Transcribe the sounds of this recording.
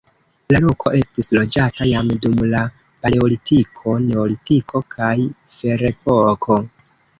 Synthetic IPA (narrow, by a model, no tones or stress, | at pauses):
lalo̞kʰo̞̰ʔe̞stislo̞d͡ʒatajamdumla | paleolitikʰo̞ne̞olitikʰo̞kʰajfe̞ɾe̞po̞kʰo̞